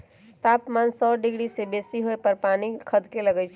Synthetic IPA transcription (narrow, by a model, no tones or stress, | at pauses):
t̪apmansɔɖiɡɽisebesiɦoepəɾpanikʰəd̪keləɡɛt͡ʃʰ